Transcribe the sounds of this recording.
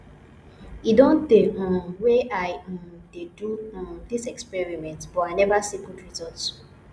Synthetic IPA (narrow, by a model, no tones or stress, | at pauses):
idɔ̃ndeãwɛaj̃dedũdisɛkspɛɹimɛ̃ntb̥ɔajnɛvasikudɹizɔts